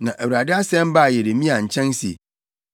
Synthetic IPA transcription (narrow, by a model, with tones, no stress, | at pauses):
nã˨ʔæ˨wu˨ɾa˨dɪ˦a˦sɛ̃˦m˦ba˦˨jɛ˨ɾe˨mĩ˦a˨ɲ̩˨t͡ɕʰɛ̃˦nsi˨e˨